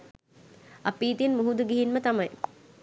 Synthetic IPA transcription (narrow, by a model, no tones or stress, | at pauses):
a̰piːt̪inmuɦud̪uɡiɦinmət̪amɐj